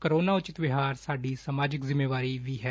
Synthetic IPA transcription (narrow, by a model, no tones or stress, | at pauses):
kəɾoːnaːʊt͡ʃɪt̪ʋɪɦaːɾsaːɖiːsəmaːd͡ʒɪkzɪmːeːʋaːɾiːʋiːɦɛː